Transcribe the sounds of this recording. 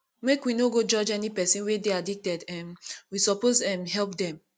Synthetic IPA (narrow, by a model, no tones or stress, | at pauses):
mekwinoɡod͡ʒɔd͡ʒɛnipɛsĩnwedeadik̚tɛdɛ̃mwisɔpozɛ̃mɦɛlp̚dɛ̃m